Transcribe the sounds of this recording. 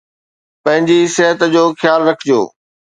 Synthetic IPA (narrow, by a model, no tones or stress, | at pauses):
pɐ̃ɦɪ̃ɲd͡ʑisɪɦət̪d͡ʑoːxɪjaːlɾɐkʰɪd͡ʑo̰ː